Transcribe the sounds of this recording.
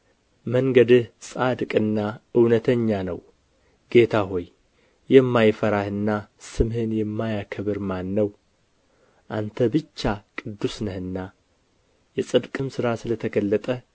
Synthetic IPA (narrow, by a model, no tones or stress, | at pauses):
məŋɡəd̪ɨhsʼad̪kʼɨnːaɨwnət̪ʰəɲːanə̰w | ɡ̥e̞t̪ʰaɦo̞j | jɛmːajfəɾahɨnːasɨmhɨnjɛmːajakʰəβɨɾmanːəw | ʔant̪ʰəbɨt͡ʃːakʼɨd̪ːusnəhɨnːa | jɛsʼɨd̪kʼɨmsɨɾasɨlət̪ʰəɡəlːət̪ʼə